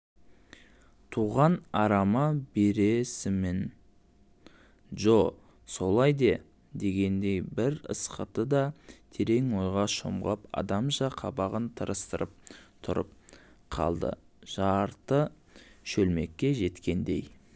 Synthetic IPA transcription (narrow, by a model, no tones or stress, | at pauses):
t̪ʰuʁɑnɑɾɑmɑbe̞ɾe̞sɪmen | ʒoq | so̞lˠɑjd̪e̞ | d̪e̞ɡʲe̞nd̪e̞jbɪɾə̰sqə̰t̪əd̪ɑt̪ʰe̞ɾe̞ŋwo̞jʁɑʃo̰mʁpɑ̰d̪ɑmʒɑqʰɑbɑʁənt̪ʰəɾəst̪əɾʔəp̚t̪ʰʊɾə̰p̚ | qʰɑ̰lˠd̪ə̰ | ʒ̥ɑɾt̪ə | ʃɵlme̞kʲːe̞ʒe̞t̪kʲe̞nd̪e̞j